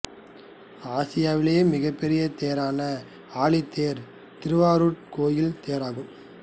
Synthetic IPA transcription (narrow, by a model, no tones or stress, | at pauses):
aːsɪjaːʋɪlejmɪɣɐpːɛɾɪjɐt̪eːɐɾaːnɐ | aːɭit̪ːeːɾ | t̪ɪɾɯʋaːɾuːʈ̚koːjɪlt̪eːɾaːɣɯm